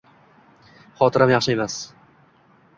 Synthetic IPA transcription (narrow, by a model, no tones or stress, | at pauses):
χɒt̪ʰɪɾamjɑχʃɪe̞mas